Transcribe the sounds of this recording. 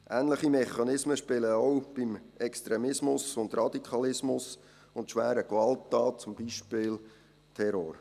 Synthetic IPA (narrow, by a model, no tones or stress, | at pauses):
ʔæːnləχimɛχːɑnɪsməʃpɪləɔwb̥ɪmɛkst̪ɾɛmɪsmʊsʊnd̪rɑd̥̪ikʰɑlɪsmʊs | ʊntʃʋæːɾəkʋɑltːɑːt̚t͡sʊmbiːʃpɪːl | tʰɛɾo̰ːɾ